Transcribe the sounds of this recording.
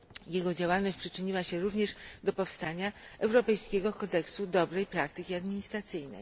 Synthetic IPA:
jɛɡɔd͡ʑawalnɔɕt͡ɕʲpʂɘt͡ʂɘɲiwaɕɛɾuvɲɛʂd̪ɔpɔfst̪aɲaɛwɾɔpɛjskʲɛɡɔkɔd̪ɛksud̪ɔbɾɛjpɾak̚t̪ɘkʲiad̪mʲiɲist̪ɾat̪sɘjnɛ̰j

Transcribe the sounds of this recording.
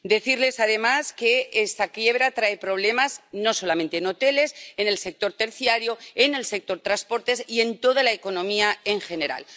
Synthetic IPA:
d̪e̞θiɾle̞sað̞e̞maske̞est̪akje̞β̞ɾat̪ɾaepɾo̞β̞le̞mazno̞so̞lament̪eno̞t̪e̞le̞se̞ne̞lse̞k̚t̪o̞ɾt̪e̞ɾθjaɾjoene̞lse̞k̚t̪o̞ɾt̪ɾaspo̞ɾt̪e̞sie̞nt̪o̞ð̞alaeko̞nõ̞miae̞ŋxe̞ne̞ɾa̰l

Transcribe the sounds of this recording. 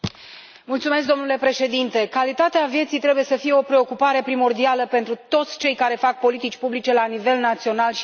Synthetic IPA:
mult̪sume̞s̬k̚d̪o̞mnule̞pɾe̞ʃe̞d̪int̪e̞kalit̪at̪eavje̞t̪sijt̪ɾe̞buje̞səfije̞o̞pɾe̞o̞kupaɾe̞pɾimo̞rd̪ialəpe̞nt̪ɾut̪o̞t̪sʲt͡ʃe̞jkaɾe̞fak̚po̞lit̪it͡ʃʲpublit͡ʃe̞lanive̞lnat̪sio̞nalʃ

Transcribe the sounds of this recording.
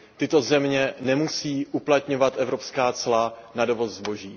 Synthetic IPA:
t̪ɪt̪o̞zɛmɲɛnɛmusiːʔuplat̪ɲo̞vat̪ʔɛvɾo̞pskaːt͡slanado̞vo̞zzbo̞ʒiː

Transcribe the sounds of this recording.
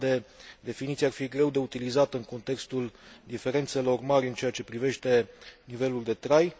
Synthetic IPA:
d̪e̞d̪e̞finit̪siarfiɡɾe̞wd̪e̞ut̪ilizat̪ɨŋko̞nt̪e̞kst̪uld̪ife̞ɾe̞nt̪se̞lo̞rmaɾʲɨnt͡ʃe̞jat͡ʃe̞pɾive̞ʃt̪e̞nive̞luld̪e̞t̪ɾaj

